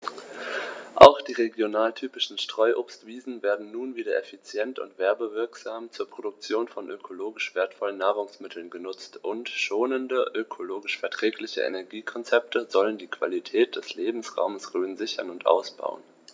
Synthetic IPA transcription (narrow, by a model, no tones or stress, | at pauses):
ʔa̰ʊxd̥iːʁeɡjonaːltʰyːpɪʃn̩ʃtʁ̥ɔʏʔoːpstv̥iːzn̩veːɐdn̩nuːnviːdɐʔɛfit͡sjɛntʊ̰ntv̥ɛɐbəvɪɐkz̥aːmt͡suːɐpʁ̥odʊk̚t͡sjoːnfɔnʔøkʰoloːɡɪʃv̥eːɐtfɔlənːaːʁ̞ʊŋsmɪtʰl̩nɡənʊt͡stʔʊntʃoːnəndəʔøkʰoloːɡɪʃfɛɐtʁ̥ɛːklɪçə̰ʔḛnɛɐɡiːkʰɔnt͡sɛp̚tʰəzɔləndiːkv̥a̰litʰɛːt̚d̥ɛsleːbm̩sʁa̰ʊməsʁøːnzɪçɐnʊntʔa̰ʊsb̥a̰ʊən